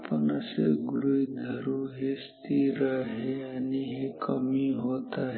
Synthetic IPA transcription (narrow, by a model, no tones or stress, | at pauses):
pənaseɡʊɾuid̪ʱəɾuɦest̪iɾəɦeaniɦekəmiɦot̪aɦ